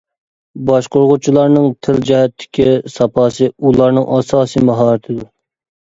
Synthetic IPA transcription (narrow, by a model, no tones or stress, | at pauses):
bɑʃqoɾʁʊt͡ʃʰilˠɑɾnɨŋt̪ʰɪld͡ʒɛɦɛt̪ʰːɪ̥kʲʰisɑpʰɑːsɨulˠɑɾnɨŋʔɑsɑːsɨmɑɦɑːɾɨt̪ʰɪd̪u